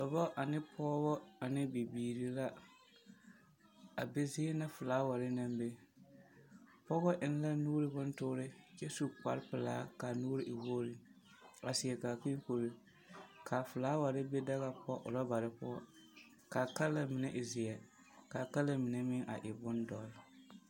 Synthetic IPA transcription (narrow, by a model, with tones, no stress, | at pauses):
lɔ˨bɔ˦ʔa˨nɪ˦pʰɔː˦βɔ˦a˨nɪ˦bi˨biː˨ɾi˨la˦ | a˨be˦zɪ˦na˦fʊ˨laː˨˦wa˨ɾɪ˦na˦mbe˦ | pɔ˦ɣɔ˦ʔɪ˨n˦la˦nuː˦ɾɪ˦bʊ˦ntʊ˦ɾɪ˦t͡ʃɛ˦su˨k͡pa˨ɾpɪ˨laː˦ka˨nuː˦ɾɪ˦ʔɪ˨wo˦ɾɪ˨ | a˨sɪ˨ɛ˨ka˨ki˦ŋ˦ko˨ɾɪ˦ | kʰaː˨fʊ˨laː˨˦wa˨ɾɪ˦be˦da˦ɣa˦pɔ˦ʔʊ̰˨ɾɔ˦ba˨ɾɪ˦pɔ˦ɔ˦ | ka˨ka˦la˦mɪ˨nɛ˦ʔɪ˨zɪ˨ɛ˨ | ka˨ka˦la˦mɪ˨nɛ˦mɪ˦ʔa̰˨ʔɪ˨bʊ˦ndɔ˨l